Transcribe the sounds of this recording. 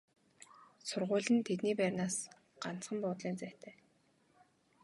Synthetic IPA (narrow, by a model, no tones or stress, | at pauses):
sʊrʁʊːɮə̆nt̪ʰet̪niːpæːrʲnaːs | ɢ̥an̥t͡sχə̆mpʊːt̪ɮiːnt͡sæːt̪ʰæː